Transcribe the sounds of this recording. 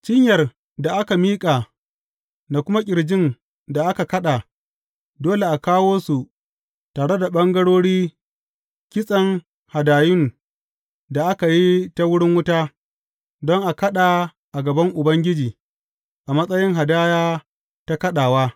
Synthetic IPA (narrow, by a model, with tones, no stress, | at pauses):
t͡ʃɪ˦ɲjɐ˨r | da˨ʔa˦ka˨miː˦kʼa˨ | na˨kʷʊ˦ma˦kʲʼɪ˨ɽd͡ʒɪ˦n | da˨ʔa˦ka˨kɐ˦ɗa˨ | doː˦le˨ʔa˨kaː˦woː˦su˨ | taː˨ɽe˦da˨ɓɐ˦ŋɡɐ˦ɽoː˦ɽiː˦ | kʲɪ˦sʼɐ˦ŋ | ha˨daː˨jʊ˦n | da˨ʔa˦ka˨ji˦ta˦wʊ˦ɽɪ˦ŋwʊ˦taː˦ | dɔ˦ŋʔa˨kɐ˦ɗa˨ | ʔa˨ɡɐ˨bɐ˦ŋʔʊ˨bɐ˦ŋɡʲɪ˦d͡ʒiː˨ | ʔa˨mɐ˦sʼɐ˦jɪ˦ŋɦa˨daː˦jaː˦ | ta˦kɐ˦ɗaː˨waː˦